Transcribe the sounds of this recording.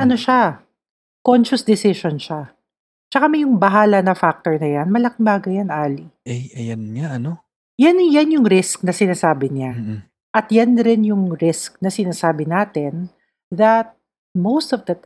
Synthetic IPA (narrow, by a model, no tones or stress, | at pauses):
ʔɐnoʃa | konʃʊsd̪ɪsɪʃonʃa | t͡ʃɐkamɛjʊŋbɐɦaːlɐnɐfak̚t̪oɹnɐjanmɐlɐkɪŋbaːɡɐjanʔaːliʔɛjɐjɐnɲaʔɐno | janjanjʊŋɾɪsk̚nɐsɪnaːsaːbɪɲa | ʔɐt̪janɾɪnjʊŋɾɪsk̚nɐsɪnaːsaːbɪnaːt̪ɛn | ðɐt̪̚ | mowst̪ɔvd̪ɐt̪